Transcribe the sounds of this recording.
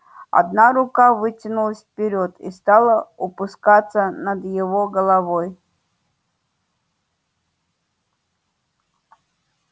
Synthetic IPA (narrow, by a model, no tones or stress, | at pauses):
ɐ̰d̪naɾʊkavɨtʲɪnʊlˠəsʲfpʲɪɾʲot̪ist̪alˠəʊpʊskat̪sːənəd̪jɪvoɡəlˠɐvoj